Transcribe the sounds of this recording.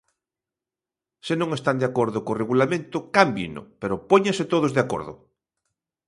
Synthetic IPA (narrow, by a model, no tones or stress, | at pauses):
senõŋest̪and̪eakoɾðʊkoreɣulamẽnt̪ʊkambjḭnʊ̰peɾʊpoɲẽŋset̪oð̞ozðeako̰ɾðʊ̰